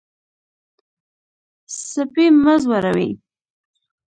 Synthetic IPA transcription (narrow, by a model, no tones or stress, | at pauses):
səpiməzwaɾawḭ